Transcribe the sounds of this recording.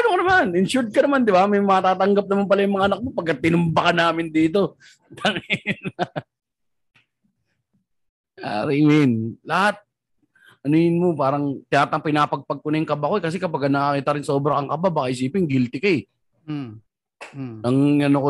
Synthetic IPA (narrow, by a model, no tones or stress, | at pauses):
ɐnokɐnɐmanɪnʃuɾd̪̚kɐnɐmand̪ɪbamɐjmɐt̪aːt̪ɐŋɡap̚nɐmanpɐlajʊŋmɐŋaʔɐnɐk̚mo̞pɐɡ̚kːɐt̪̚ːɪnʊmbɐkɐnaːmɪnd̪iːt̪̬o̞ | t̪ʰaŋɪn | a̰ɪmɪnlɐhat̪̚ | ʔɐnojɪnmo̞paːɾɐŋt̪ɪnaːt̪ɐŋpɪnaːpɐɡ̚pɐɡ̚kʊnajʊŋkɐbako̞ɛkɐs̬ɛkɐpɐɡkɐnɐkakiːt̪ɐɾɪnso̞ːbɾɐɐŋkɐbabaːkaʔɪs̬iːpɪŋɡɪlt̪ɪkaɛ | ɐŋɐnoko